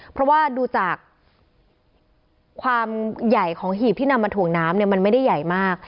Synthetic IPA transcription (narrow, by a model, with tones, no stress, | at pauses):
pʰɾɔ˦˥waː˥˩duː˧t͡ɕaː˨˩k | waː˧mja˨˩jkʰɔː˩˦ŋɦiː˨˩p̚t̪ʰiː˥˩na˧mːaː˧t̪ʰu˨˩əŋnaː˦˥mni˥˩ma˧nma˥˩jda˥˩ja˨˩jmaː˥˩k̚